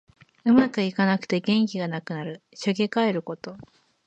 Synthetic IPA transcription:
ɯ̟makɯ̟ikanakɯ̟̥t̪e̞ɡẽ̞ŋk̬ʲiɡanakɯ̟naɾɯ̟ɕoɡʲekae̞ɾɯ̟ko̞t̪o̞

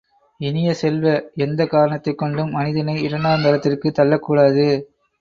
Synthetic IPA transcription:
ɪnɪjɐsɛlʋɐɛnd̪ɐkːaːɾɐɳɐt̪ːɐɪkːɔɳɖɯmːɐnɪðɐnɐɪɪɾɐnaːmɐɾɐt̪ːɪrkɯt̪ːɐlːɐkːuːɽaːðɯ

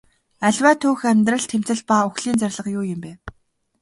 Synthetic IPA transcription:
æɮʲwæːt̪ʰuːxæmʲt̪rə̆ɮt̪ʰem̥t͡sɘ̆ɮpauxɮiːnt͡særʲɮə̆qjʊːjɪ̆mpeː

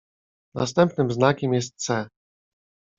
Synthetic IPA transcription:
na̰st̪ɛmpnɘmznakʲɛmjɛs̬t̪̚sɛ

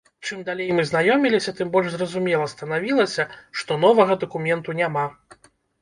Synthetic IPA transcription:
t͡ʂɨmd̪alʲejmɨznajɔmʲilʲisʲɐt̪ɨmbɔlʲʂzrɐzumʲɛlˠɐst̪ɐnavʲilˠɐsʲɐʂt̪ɔn̪ɔvɐɣɐd̪ɐkumʲɛnt̪unʲama

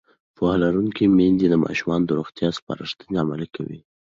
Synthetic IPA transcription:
pɑhlaɾuŋkimend̪id̪əmɑ̰ʃumɑnod̪əɾuxt̪jɑspɑ̰ɾəʃt̪əneamalikawḭ

